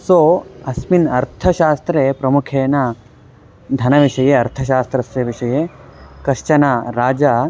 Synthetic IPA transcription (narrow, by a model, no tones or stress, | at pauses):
soːɐsminɐɾt̪ʰɐʃaːst̪ɾeːpɾɐmukʰeːnɐ | d̪ʱɐnɐʋiʂɐjeɐɾt̪ʰɐʃ̬aːst̪ɾɐsjɐʋiʂɐjeːkɐʃt͡ʃɐnaːɾaːd͡ʒaː